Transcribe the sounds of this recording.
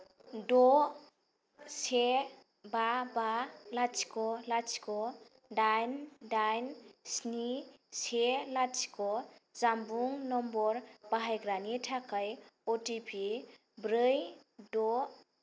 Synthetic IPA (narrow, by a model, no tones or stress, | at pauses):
dɔ | se | babalat͡ʃkɔlat͡ʃkɔ | dajndajnsniselat͡ʃkɔzambuŋnɔmbɔɾb̥aɦajɡɾanitʰakʰajɔtipʰi | bɾɯjdɔ